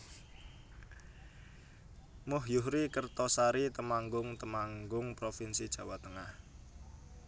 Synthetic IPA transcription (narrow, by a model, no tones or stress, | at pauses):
mʊɦjʊhɾikərt̪ɔsaɾit̪əmaŋɡʊŋt̪əmaŋɡʊŋpɾofinsid̥ʒ̥ä̤wat̪əŋah